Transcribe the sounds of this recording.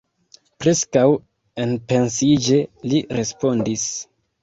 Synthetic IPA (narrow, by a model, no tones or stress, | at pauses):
pɾe̞skaw | enpe̞nsid͡ʒe̞liɾe̞spo̞ndis